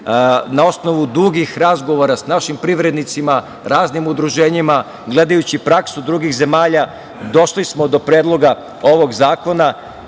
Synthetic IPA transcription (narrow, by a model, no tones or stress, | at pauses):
nao̞sno̞ʋud̪uɡixɾazɡo̞ʋo̞ɾasnaʃimpɾiʋɾe̞d̪nit̪sima | ɾaːznimud̪ɾuʒe̞ːɲima | ɡle̞d̪ajut͡ɕipɾaksud̪ɾuɡixze̞maːʎa | d̪o̞ʃlismo̞d̪o̞pɾeːd̪lˠo̞ɡa | o̞ʋo̞ɡzaːko̞na